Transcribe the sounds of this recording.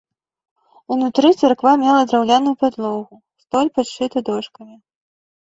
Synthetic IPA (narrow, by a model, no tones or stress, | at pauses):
unut̪ɾɨt̪sarkvamʲɛlˠɐd̪ɾawlʲanujupad̪lˠɔɣu | st̪ɔlʲpaʂɨt̪ɨd̪ɔʂkɐmʲi